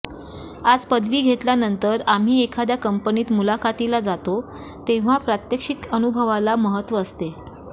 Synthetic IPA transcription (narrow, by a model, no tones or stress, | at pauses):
ad͡zpəd̪ʋiːɡʱet̪ljanənt̪əɾam̤iːekʰad̪jakəmpəniːt̪mulakat̪ilad͡zat̪o | t̪eʋ̤apɾat̪jəkʂikənubʱəʋalaməɦət̪ʋəːst̪e